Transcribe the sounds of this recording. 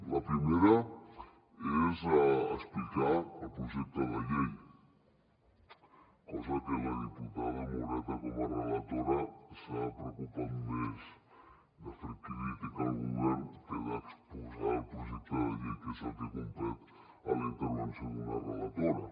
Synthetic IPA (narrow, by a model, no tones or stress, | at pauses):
lapɾimeɾa | ezaːsplikaalpɾuʒɛk̚t̪oðaʎej | kɔzakelaðiput̪aðamoɾat̪akomarelat̪oɾasapɾeokupanmez | d̪əfɾək̪ilit̪ikalɣuβɛɾnkeðakspuzalpɾuʒɛk̚t̪əðaʎejkesat̪ekumplɛt̪ | alint̪əɾβansjonunarelat̪oɾa